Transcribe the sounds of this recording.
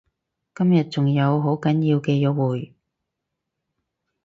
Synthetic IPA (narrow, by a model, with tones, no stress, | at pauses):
kɐ˥mjɐ˨t̚t͡sʊ˨ŋjɐ˨˧wɦo˨˥wkɐ˨˥njiː˧wkɛː˧jɔ˨˧wuː˨˩j